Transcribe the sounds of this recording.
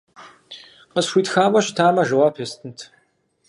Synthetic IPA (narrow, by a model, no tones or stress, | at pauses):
qəsxʷiːtxaːmɐɕtʰaːmɐʒɐwaːpʰestʰɨntʰ